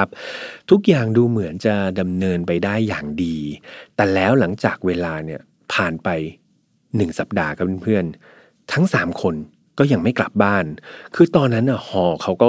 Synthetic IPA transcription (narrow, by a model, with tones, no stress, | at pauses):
a˦˥p̚t̪ʰu˦˥k̚jaː˨˩ŋduː˧mɯ˩˦ənt͡ɕa˨˩da˧mnɤː˧npa˧jdaː˥˩jːaː˨˩ŋdiː˧t̪ɛː˨˩lɛː˦˥wla˩˦ŋt͡ɕaː˨˩k̚weː˧laː˧ni˥˩ɐ | pʰaː˨˩npa˧j | nɯ˨˩ŋsa˨˩p̚daː˧kʰa˦˥˩pʰɯ˥˩ən | t̪ʰa˦˥ŋsaː˩˦mkʰo˧n | kɔː˥˩ja˧ŋma˥˩jkla̰˨˩p̚baː˥˩nkʰɯː˧t̪ɔː˧nːa˦˥nːʔa˧˩hɔː˨˧˩kʰa˦˥wkɔː˥˩